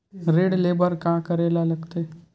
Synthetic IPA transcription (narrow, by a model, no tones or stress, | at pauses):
ɾeːɽleːbəɾkãːkəɾeːlalɐɡt̪eː